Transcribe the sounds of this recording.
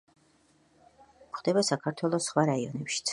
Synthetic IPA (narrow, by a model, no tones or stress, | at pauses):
χd̪ɛbasakʰaɾt̪ʰwɛlˠɔsːχwaɾaiɔnɛpʃi̥t̪sʰ